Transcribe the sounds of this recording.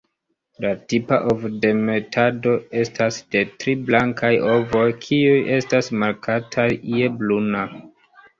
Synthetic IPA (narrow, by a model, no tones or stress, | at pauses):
latipaʔovde̞me̞tʰado̞e̞stasd̥e̞tɾiblaŋkajo̞vo̞jkʰiuje̞stasmaɾkʰatʰajːe̞bluna